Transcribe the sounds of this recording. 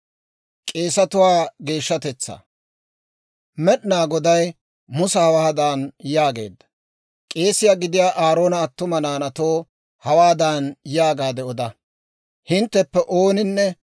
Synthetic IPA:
kʼe̞ːsɐt̪ʊwaːɡe̞ːʃːɐt̪ɛt͡sːa̰ | mɛɗɪnaːɡɔd̪ɐj | mʊsɐhɐwaːd̪aːnjaːɡe̞̰ːd̪ːɐ̥ | kʼe̞ːsɪjaːɡɪd̪ɪjaːʔaːɾo̞ːnɐːt̪ːʊmɐnaːnɐt̪oː | hɐwaːd̪aːnjaːɡaːd̪ɛɔd̪ɐ | hɪnt̪ːɛpːɛʔoːnɪnːɛ

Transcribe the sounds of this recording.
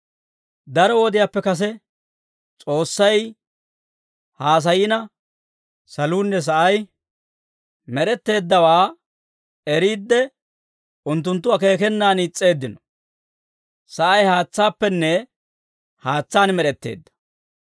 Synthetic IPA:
d̪ɐɾɔwɔd̪ɪjapːɛkɐs̬ɛ | t͡sʼo̞ːsːɐj | haːs̬ɐjɪnɐ | sɐluːnːɛs̬ɐʔɐj | mɛɾɛt̪ːe̞ːd̪ːɐwaː | ɛɾiːd̪ːɛ | ʔʊnt̪ːʊnt̪ːʊɐke̞ːkɛnːaːnit͡sʼːe̞ːd̪ːɪnɔ̥ | sɐʔɐjhaːt͡sːaːpːɛnːɛ | haːt͡sːaːnmɛɾɛt̪ːe̞̰ːd̪ːɐ̥

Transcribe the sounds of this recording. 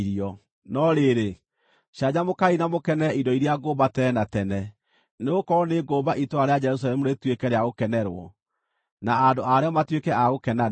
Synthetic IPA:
ɾiɔ | nɔɾeɾe | ʃaɲamokainamokɛnɛidɔiɾiaɡobatɛɛnatɛnɛ | neɣokɔɾɔneɡoːbaʔitoaɾead͡ʒɛɾus̬aɾɛmuɾetwekɛɾeaɣokɛnɛɾwɔ̰ | naːdoaɾeɔmatwekɛʔaɣokɛna

